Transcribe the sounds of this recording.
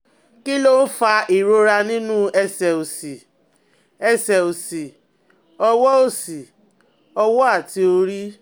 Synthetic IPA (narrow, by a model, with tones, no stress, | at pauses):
ki˦lo˦fa˧ʔi˨ɾo˧ɾa˧nĩ˦nũ˦ɛ˧sɛ˨o˨si˨ | ɛ˧˨sɛ˨o˨si˨ | ɔ˧wɔ˦o˦˨si˨ | ɔ˧wɔ˦a˦˨ti˧o˧ɾi˦